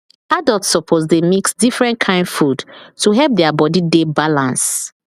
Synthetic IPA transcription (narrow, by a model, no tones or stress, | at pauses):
adəltsɔpʰozdemiksdifɹɛ̃nkʰãɪ̃ndfudtuɦɛlp̚dɛabɔdidebalãns